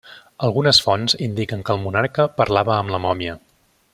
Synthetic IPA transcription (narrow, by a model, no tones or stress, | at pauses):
əlˠɣunəsfɔnzind̪ikəŋkəlˠmunaɾkəpəɾlaβəːmləmɔmiə